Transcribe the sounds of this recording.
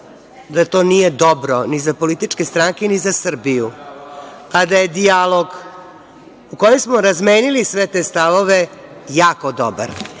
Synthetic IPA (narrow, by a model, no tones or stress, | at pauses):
d̪at̪o̞ːnije̞d̪obɾonizapo̞lit̪it͡ʂke̞st̪ɾaŋkenizasr̩biju | ad̪ajed̪ialˠo̞ɡ | ukojemsmoɾazmeːnilisʋe̞t̪e̞st̪aʋo̞ʋe̞jaːkod̪o̰ba̰ɾ